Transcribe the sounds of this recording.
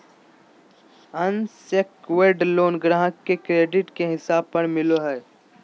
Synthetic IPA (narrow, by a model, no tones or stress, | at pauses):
ɐnsəkweːɖloːnɡɾaɦəkːekɾeːɖɪʈkeɦɪsaːb̚pɐɾmɪloɦɛː